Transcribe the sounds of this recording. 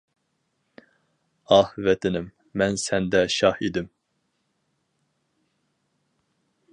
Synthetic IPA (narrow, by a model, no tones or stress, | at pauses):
ɑhvɛt̪ʰɪnɪmː | ɛnsɛnd̪ɛʃɑhid̪ɪm